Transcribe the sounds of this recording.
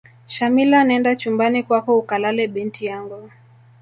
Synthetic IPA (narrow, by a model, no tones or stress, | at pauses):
ʃamilanaɛndat͡ʃumbanikwakɔukalalɛɓintijaŋɡu